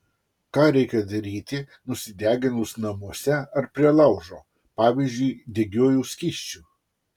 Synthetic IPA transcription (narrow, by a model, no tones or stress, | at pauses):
kɑːɾʲɛɪkʲɛd̪ɐɾʲiːt̪ʲɪ | nʊsʲɪd̪ʲæːɡʲɪnʊsnɐmuɔsʲɛɐɾpʲɾʲiɛlˠɐˑʊʒoː | pɑːʋʲiːzʲd͡ʒʲʊɪd̪ʲɛɡʲoːjuːsʲkʲiːʃʲt͡ʃʲuː